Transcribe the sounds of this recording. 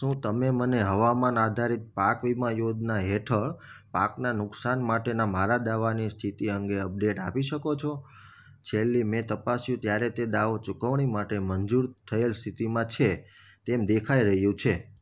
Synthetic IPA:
ʃũt̪əmeməneɦəʋamanad̪ʱaɾit̪̚pakʋimãjod̪naɦeʈʰəɭpaknanʊksanmaʈenamaɾad̪aʋanist̪ʰit̪iəŋɡeəp̚ɖeʈapiʃəkot͡ʃʰo | t͡ʃʰelːimɛ̃t̪əpasjũt̪jaɾet̪ed̪aʋot͡ʃukəʋɳ̃imaʈemənd͡ʒuɾt̪ʰəelst̪ʰit̪imãt͡ʃʰe | t̪emd̪ekʰaiɾəɦjũt͡ʃʰe

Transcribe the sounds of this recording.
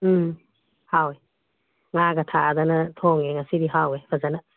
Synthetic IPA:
hawe | ŋaɡatʰadanɐtʰɔŋeŋasidiɦawebʰazana

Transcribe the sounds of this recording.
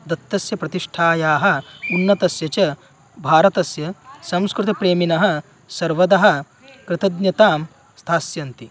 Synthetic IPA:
d̪ɐt̪ːɐsjɐpɾɐt̪iʂʈʰaːjaːɦɐ̆unːɐt̪ɐsjɐt͡ʃɐ | bʱaːɾɐt̪ɐsjɐsɐmskɾut̪ɐpɾeːminɐɦɐ | sɐɾʋɐd̪ɐɦɐ̆ | kɾɪt̪ɐd̪njɐt̪aːm | st̪ʰaːsjɐnt̪i

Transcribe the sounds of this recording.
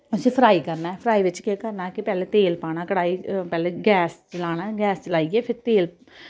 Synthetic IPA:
əsĩːpʰɾaːiːkəɾnaːpʰɾaːiʋɪt͡ʃkeːkəɾnaːkɪpɛːleːt̪eːlpaːñaːkəɽaːipɛːleːɡɛːst͡ʃəlaːnaːɡɛːst͡ʃəlaːieːpʰɪɾt̪eːl

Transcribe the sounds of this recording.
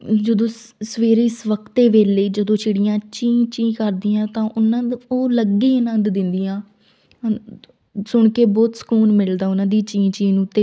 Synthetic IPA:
d͡ʒəd̪õːsəʋeːɾiːsʋəkt̪eːʋeːleiːd͡ʒəd̪õːt͡ʃʰɪɽɪjãːt͡ʃĩːt͡ʃĩːkəɾd̪iːãːt̪ãːʔʊnãːoːləɡeːɪnə̃nd̪d̪ɪnd̪ijãː | sʊɳkeːbɔːt̪sə̥kuːnmɪld̪aːʊnãːd̪iːt͡ʃĩːt͡ʃĩːnũːt̪eː

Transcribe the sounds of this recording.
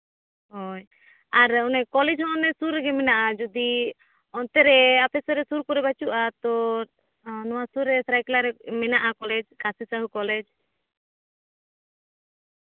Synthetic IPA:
ɦɔj | aɾɔnɛkɔlɛd͡ʒɦɔ̃ɔnɛsuɾɛɡɛmɛnaʔad͡ʒɔd̪i | ɔnt̪ɛɾɛapɛsɔɾɛsuɾkɔɾɛbat͡ʃuʔat̪ɔ | nɔwasuɾːɛsɾajklaɾɛmɛnaʔakɔlɛd͡ʒkasisaɦukɔlɛd͡ʒ

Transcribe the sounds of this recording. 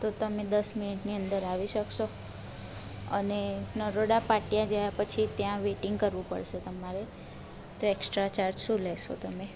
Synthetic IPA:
t̪ot̪əmed̪əsminiʈniənd̪əɾaʋiʃəkʃo | ənenəɾoɽapaʈijãd͡ʒajapət͡ʃʰit̪jãʋeʈɪŋɡ̚kəɾʋũpə̰ɽʃet̪əmaɾe | t̪oeksʈɾat͡ʃaɾd͡ʒʃũleʃo̰t̪əme

